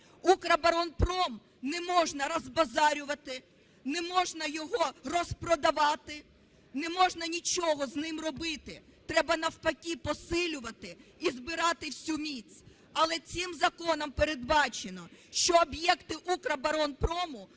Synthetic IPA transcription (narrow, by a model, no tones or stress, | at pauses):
ukɾɐbɐɾɔnpɾɔm | nɛmɔʒnɐɾɔzbɐzɑɾʲʊʋɐt̪ɪ | nɛmɔʒnɐjɔɦɔrɔspɾɔd̪ɐʋɑt̪ɪ | nɛmɔʒnɐnʲit͡ʃɔɦɔznɪmrɔbɪt̪ɪt̪ɾɛbɐnɐwpɐkʲipɔsɪlʲʊʋɐt̪ɪizbɪɾɑt̪ɪwsʲumʲit͡sʲ | ɐlˠɛt͡sʲɪmzɐkɔnɔmpeɾed̪̚bɑt͡ʃenɔʃt͡ʃɔːbjɛkt̪ɪʔukɾɐbɐɾɔnpɾɔmʊ